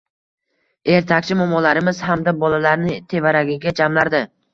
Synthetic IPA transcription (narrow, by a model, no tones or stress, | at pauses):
e̞ɾt̪ʰakʲt͡ʃʰɪmɒmɒlaɾɪmɪz̥hamd̪abɒlalaɾnɪt̪ʰe̞vaɾaɡʲɪɡʲad͡ʒamlaɾd̪ɪ